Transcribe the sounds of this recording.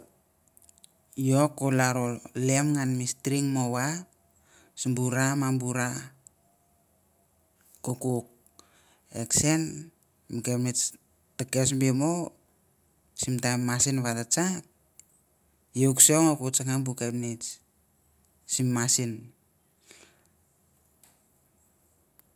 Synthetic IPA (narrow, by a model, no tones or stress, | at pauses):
jokːolaɾolemŋanmistɾiŋmowap | simbuɾamambuɾa | kokuk̚ | eksen | mikemet͡ʃ | takesmbemo | simtamasinβatat͡ʃap̚ | jeksoŋokut͡ʃaŋambukepnit͡ʃ | simːasin